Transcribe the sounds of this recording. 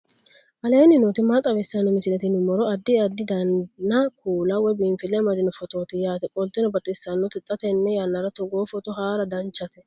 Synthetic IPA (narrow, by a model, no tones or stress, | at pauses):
ʔɐleːnɪnoːt̪ɪmat̪ʼːɐβɛsːɐnɔmɪsɪlɛt̪ɪnʊmɔɾɔɐd̪ːɪɐd̪ːɪd̪ɐnːɐkʰuːlɐwɔjbɪmfɪlɛmɐd̪ɪnɔfɔt̪oːt̪ɪjaːt̪ɛkʼɔlt̪ɪnɔbɐt̪ʼːɪsːɐnːɔt̪ɪt̪ʼːɐt̪ɛnːɛjanːɐɾɐt̪ɔɡoːfɔt̪ɔɦaːɾɐd̪ɐnt͡ʃːɐt̪ɛ